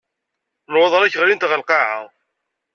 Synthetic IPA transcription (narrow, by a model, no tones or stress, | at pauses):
lwɑðˤɾæçʁɾint̪ʁəlqɑʕa